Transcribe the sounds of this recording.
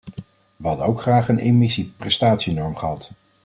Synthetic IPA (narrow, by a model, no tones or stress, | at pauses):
ʋəɦɑdənowkχraːχənejmɪsiprɛstaːtsinɔɹmχəɦɑt